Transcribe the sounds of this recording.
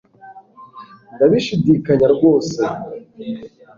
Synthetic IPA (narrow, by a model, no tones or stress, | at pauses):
ndaβiʃidikaɲaɾɡo̞ːse